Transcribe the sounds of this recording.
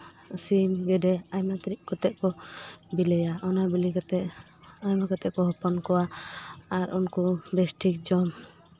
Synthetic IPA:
simɡɛdɛajmat̪ɾiʔ̚kɔt̪ɛʔ̚kɔbilɛjaʔɔnabilikat̪ɛʔ | ajmakat̪ɛʔkɔɦɔpɔnkɔwaaɾʔunkɔbɛsʈʰik̚d͡ʒɔm

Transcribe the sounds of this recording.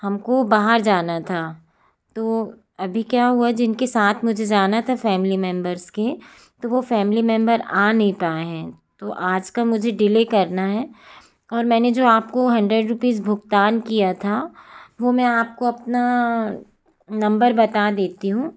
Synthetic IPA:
hɐmkobaːɦəɾd͡ʒaːnat̪ʰa | t̪oː | ɐbʱikjaːɦuad͡ʒɪnkesaːt̪ʰmʊd͡ʒʱed͡ʒaːnat̪ʰafɛːmɪlimɛ̃mbəɾzke | t̪oʋofɛːmlimɛ̃mbəɾaːnɐɦĩpaːeɦɛ̃ːt̪oʔaːd͡ʒkamʊd͡ʒʱeɖɪleːkɐɾnaɦɛː | ɔːɾmɛ̃ːned͡ʒoːaːp̚koɦɐ̃ɳɖɾeɖɾʊpiːzbʱʊɡt̪aːnkijat̪ʰaʋomɛ̃aːp̚koɐpna | nɐ̃mbəɾbɐt̪ad̪eːt̪iɦũː

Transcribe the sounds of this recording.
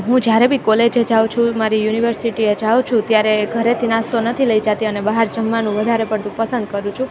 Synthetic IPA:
ɦũd͡ʒjaɾebʱikoled͡ʒed͡ʒaw̃t͡ʃʰũmaɾijuniʋəɾsiʈied͡ʒaũt͡ʃʰũt̪jaɾeɡʱəɾet̪ʰinast̪onət̪ʰiləid͡ʒat̪iənebaɦaɾd͡ʒəmːanũʋəd̪ʱaɾepəɽt̪ũpəsə̃nd̪̚kəɾũt͡ʃʰũ

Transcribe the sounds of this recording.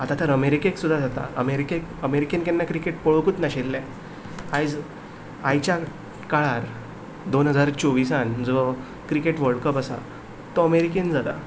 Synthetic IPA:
at̪at̪əɾəmeɾikeksud̪ʱːad͡zat̪a̰əmeɾikekəmeɾikenkenːakɾikeʈpəɭkuːt̪naɕelːɛ̃ | ajd͡z | ajt͡ɕa | kaɭaɾ | d̪onɦəd͡zaɾt͡ɕoʋisand͡zʋə | kɾikeʈʋəɭkəpasa̰ | t̪oəmeɾikend͡zad̪a

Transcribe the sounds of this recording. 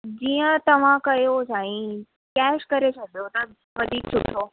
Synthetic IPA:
d͡ʑiːə̃t̪ɐʋ̤ãkɐjosaːĩ | kɛːʃkɐɾet͡ɕʰɐd̪ʱijot̪ɐ | ʋɐd̪ʱiːksʊkʰijoː

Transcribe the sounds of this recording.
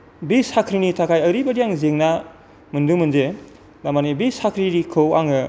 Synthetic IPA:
bishakʰɾinitʰakʰajɐɾibɐdijaŋzeŋna | mɯndumɯnze | damanibishakʰɾiɾikʰɯwaŋɯ

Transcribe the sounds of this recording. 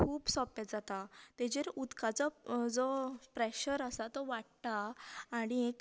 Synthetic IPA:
kʰuːbsɔpetd͡zat̪at̪ed͡ʑeɾud̪kʰat͡sɔd͡zɔpɾɛɕəɾəsat̪ɔʋaʈt̪aːɽ̃iek

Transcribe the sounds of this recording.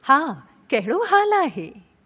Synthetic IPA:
hã | kɛɦɭoɦalaɦe

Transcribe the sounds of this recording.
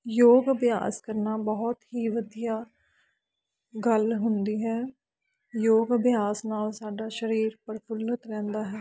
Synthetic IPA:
joːɡəbɪja̰ːskəɾnaːbəɦɔt̪ɦiːʋəd̪ijaː | ɡəlɦʊnd̪iːɦɛː | joːɡəbjaːsnaːlsaːɖaːʃəɾiːɾpəɾpʰʊlət̪ɾɛ̃ːnd̪aːɦɛː

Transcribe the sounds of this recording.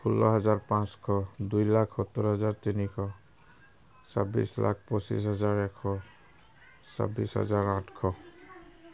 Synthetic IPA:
kʰulːɔ̰ɦʌzaɾpãskʰɔd̪ujlakʰɔt̪ːɔɾɦʌzaɾt̪inikʰɔ | sa̰bḭsla̰kʰpɔsḭsɦɔd͡zaɾekʰːɔ | sa̰bisɦʌ̰zaɾãʈʰkʰɔ

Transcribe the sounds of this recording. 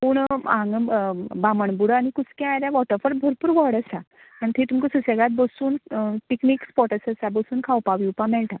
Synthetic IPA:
puːɳãŋɡbaməɳbuɽanikut͡skɛ̃ajɾjaʋɔʈəɾfəɾbʱəɾpuːɾʋɔɽəsa | ant̪ʰet̪umkəsəseɡat̪̚bəsuːnpiknikspɔʈəsəsabəsuːnkʰawpaʋiupamɛɭʈ̪a

